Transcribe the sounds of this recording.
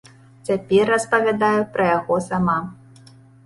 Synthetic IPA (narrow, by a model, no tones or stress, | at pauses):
t͡sʲapʲɛrːɐspɐvʲad̪ajupɾɐjaɣɔsama